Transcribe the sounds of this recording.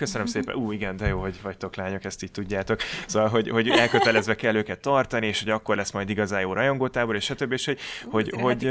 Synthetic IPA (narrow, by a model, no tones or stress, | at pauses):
køsønømseːpɛ̰ʔuːiɡɛnd̪ɛjoːɦo̞ɟvɒct̪o̞klaːɲo̞kɛst̪iːc̚t̪uɟːaːt̪o̞ksoːvɒlɦo̞ɟho̞ɟɛlkø̞t̪ɛlɛzʋɛkɛlːøːkɛt̪ːɒrt̪ɒnieːʃhoɟɒkːo̞rlɛsmɒjd̪iɡɒzaːjoːrɒjo̞ŋɡoːt̪aːboɾeːʃɒt̪øbːieːʃho̞ɟho̞ɟɦo̞